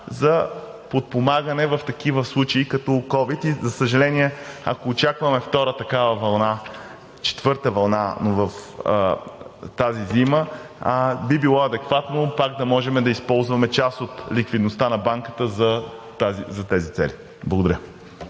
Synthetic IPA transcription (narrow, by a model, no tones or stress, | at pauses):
zɐ | pot̪̚pomaɡənɛvɐft̪ɐk̟ivəslˠut͡ʃɐikɐt̪ɔkɔvit̪izɐsəʒɐlɛniɛɐ̰koːt͡ʃakvɐmɛft̪ɔɾət̪ɐkavɐvɐlˠna | t͡ʃɛ̥t̪vɤɾt̪əvɐlˠnanovɐf | t̪azizimə | bibilˠɔɐd̪ɛkvat̪nopaɡd̪ɐmɔʒɛmɛd̪ɐispɔlˠzvɐmɛt͡ʃasot̪likvid̪nost̪anɐbaŋkə̥t̪əzɐt̪azizɐt̪ɛzit̪sɛ̰li | blˠɐɡod̪ɐɾʲjə